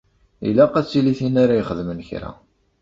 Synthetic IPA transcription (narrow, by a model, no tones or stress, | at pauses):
ḭlæqæt͡sːiliθinaɾajχəðmənçɾæ̰